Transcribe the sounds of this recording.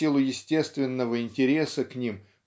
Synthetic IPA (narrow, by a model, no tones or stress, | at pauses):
ilˠʊjɪsʲtʲe̞st̪vʲɪnːəvəɪnʲtʲɪɾʲe̞səknʲim